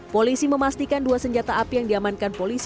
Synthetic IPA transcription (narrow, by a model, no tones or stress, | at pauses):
polisiməmast̪ikanduasəɲd͡ʒat̪aːpijaŋdiamankanpolis